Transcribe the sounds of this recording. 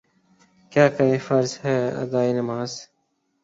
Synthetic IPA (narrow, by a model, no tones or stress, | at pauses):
kjaːkɐɾẽːfɐɾzhɛːɐ̰d̪aːiːnɐmaːz